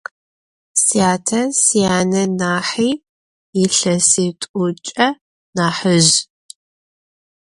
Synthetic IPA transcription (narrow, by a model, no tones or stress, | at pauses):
sijaːtʰɐsijaːnɐnaːħiː | ɪɬɐsiːtʼʊt͡ʃʼɐ | naːħɨʒ